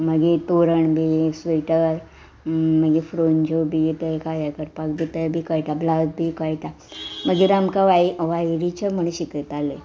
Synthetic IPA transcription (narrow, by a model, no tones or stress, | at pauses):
məɡet̪oɾəɳbʱisʋiʈəɾ | məɡefɾoɲd͡ʑobʱijet̪əjkajakəɾpakd̪it̪əbʱiːkəjʈ̪ablad̪̚bʱiːkəjʈ̪a | məɡeɾamkaʋaʋajɾit͡ɕəm̤əɽ̃ũɕikət̪alə